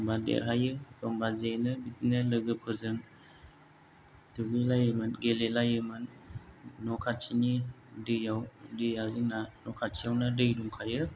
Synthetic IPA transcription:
mbadḛɾɦajɯkʰɔmbazejnɯbitinɯlɯɡɯpʰɯzɯn | tuɡilajɯmɯnɡelelajɯmɯnː | ɔkʰat͡ʃʰini | dɯjawdɯjaziŋnanɔkʰat͡ʃʰijawnadɯjduŋkʰajɯ

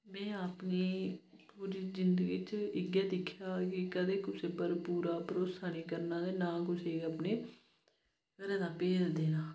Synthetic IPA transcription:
mɛ̃ːaːpniː | puːɾiːzɪnd̪əɡiːt͡ʃɪɡjaːd̪ɪkʰːjaːkɪkəd̪eːkʊseːpəɾpuːɾaːpəɾoːsaːniːkəɾnãːd̪eːnãːkʊseːəpneː | kəɾẽːd̪aːpeːd͡ʒd̪eːnãː

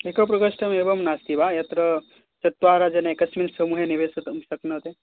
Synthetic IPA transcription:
ekop̬ɾɐkɐʂʈʰɐmebʋɐmnast̪ibajɐt̪ɾɐ | t͡ʃɐt̪ːʋaɾad͡ʒenaekɐsmilsəmuːɦeniʋesɐt̪msɐknɐɦot̪e

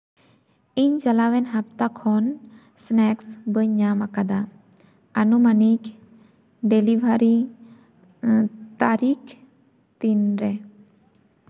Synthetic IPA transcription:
iɲd͡ʒalawɛnɦap̚t̪akʰɔn | snɛksbəɲamakad̪a | anumanik | ɖelibʱaɾi | t̪aɾik | t̪inɾɛ

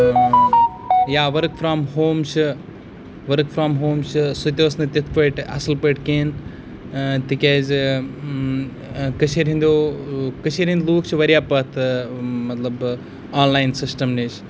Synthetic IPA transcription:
jaːʋɐɾkfɾaːmɦoːmt͡ʃʰ | ʋɐɾkfɾaːmɦoːmt͡ʃʰɨsut̪ʲeʋɐsnɐt̪ʲit̪ʰpɐʈɐ̰sɨlpəjʈkeːn | t̪ikʲeːz | kɐt͡ʃʰeɾɦĩnd̪oːkɐt͡ʃʰeːɾɦĩnd̪luːk̚t͡ʃʰiʋɐɾjaːpɐt̪ʰmɐt̪lɐb | aːnlaːjnsɪsʈɐmnit͡ʃʰ

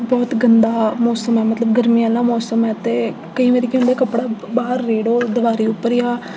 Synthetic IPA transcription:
bɔːt̪ɡənd̪aːmɔːsəmɛːmət̪ləb̚ɡəɾmijãːlãːmɔːsəmɛːt̪eː | kəĩːʋeːɾiːkõːnd̪eːkəpːɽaːbaːəɾːeːɽoːd̪əʋaːɾiːʊpːəɾiːaː

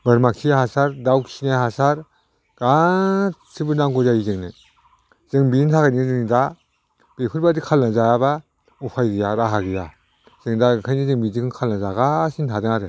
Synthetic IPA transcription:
bɯɾmakʰijhasaɾdawkʰinaɦasaɾ | ɡa | sibɯnaŋɡuzaizɯŋnɯ | zɯŋbintʰaɡajnizɯŋda | b̥epʰɯɾbadikʰalnazajaba | upʰajɡijaɾaɦaɡija | z̥ɯŋdakʰajnizɯŋbidikʰalnazaɡasintʰadɯŋaɾe

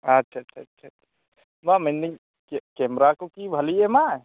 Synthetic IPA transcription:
ɐtːʃʰaːtːt͡ʃʰatːʃʰaḁ | bamenːi | kkemɾakokibʱɐliema

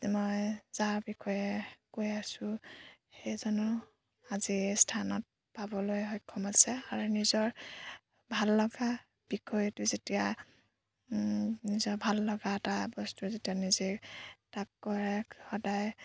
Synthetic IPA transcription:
mɔjzaɹbikʰɔjɛkojasʊhejzɔnɔ | azistʰanɔt̚ | pabɔlojɦɔjkʰːɔmasɛaɹunizɔɹ | bʱalːɔɡa | b̥ikʰɔjtuzetija | nizɔɹbʱalːɔɡaɛtabɔstuzetijanizetakːɔɹɛxɔdaj

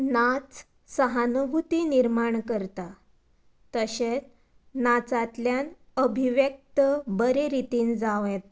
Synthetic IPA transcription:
nat͡s | səɦanəɦut̪iniɾmaɳkəɾt̪a | t̪əɕet͡s | nat͡sat̪ljan | əbʱiʋjək̚t̪əbəɾeɾit̪iːnd͡zaʋjet̪

